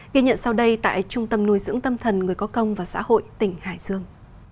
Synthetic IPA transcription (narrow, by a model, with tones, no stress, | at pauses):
ɣi˧ɲə̰˧˨nsa˧wɗə˧jt̪a̰ː˧˨jt͡ɕʊ˧ŋ͡mt̪ə˧mnu˧jzɨ̰˧˥əŋt̪ə˧mt̪ʰə˨˩nŋɨ˨˩əjkɔ˨˦kə˧wŋ͡mvaː˨˩sa̰ː˧˥ho̰˧˨jt̪ï˧˩ŋ̟haː˧˩jz̥ɨ˧əŋ